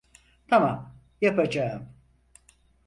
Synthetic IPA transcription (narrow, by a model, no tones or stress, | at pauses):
t̪ʰamam | japad͡ʒaɯm